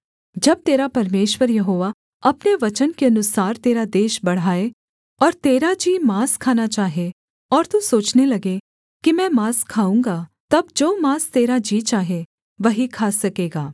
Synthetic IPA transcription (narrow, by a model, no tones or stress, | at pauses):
d͡ʒɐb̚t̪eːɾapɐɾmeːʃwəɾjɐɦoːʋa | ɐpneʋɐt͡ʃənkeɐnʊsaːɾt̪eːɾad̪eːʃbɐɽ̤aːe | ɔːɾt̪eːɾad͡ʒiːmaːskʰaːnat͡ʃaːɦe | ɔːɾt̪usoːt͡ʃnelɐɡe | kimɛ̃ːmaːskʰaːũːŋɡat̪ɐbd͡ʒoːmaːst̪eːɾad͡ʒiːt͡ʃaːɦe | ʋɐɦikʰaːsɐkeːɡaː